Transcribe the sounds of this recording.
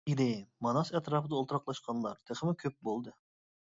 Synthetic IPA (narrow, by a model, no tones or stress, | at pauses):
id̪ejmɑnɑsɛt̪ɾɑfɨd̪ɑolˠt̪ɾɑqlˠɑʃqʰɑnlˠɑɾt̪ʰəχəmɪkʲʰøp̚bolˠd̪ɨ